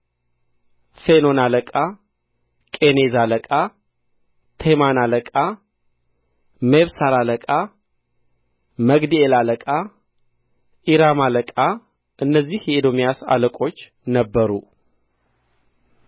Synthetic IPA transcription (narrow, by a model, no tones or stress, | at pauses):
feno̞naləkʼa | kʼenezaləkʼa | t̪ʰemanaləkʼa | meβsaɾaləkʼa | məɡd̪ielaləkʼa | ʔiɾamaləkʼa | ʔɨnːəzːihjɛid̪o̞mjasa̰ləkʼo̞t͡ʃː | nəbːəɾu